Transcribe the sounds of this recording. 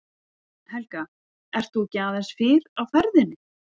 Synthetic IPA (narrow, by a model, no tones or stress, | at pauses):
hɛlka | ɛr̥t̪θucaːðɛnsfɪɾawfɛɾðɪnːɪ